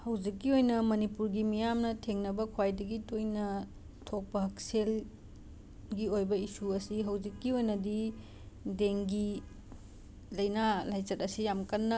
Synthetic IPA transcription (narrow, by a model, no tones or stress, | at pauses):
hɐwd͡ʒikːiojnɐmɐnipuɾɡimijamnɐtʰeŋnɐbɐkʰwajdɐɡitojnɐ | tʰok̚pɐɦɐksel | ɡiojbɐisuɐsiɦɐwd͡ʒikːiojnɐdi | deŋɡi | lɐjnalajt͡ʃɐtɐsijamkɐnːɐ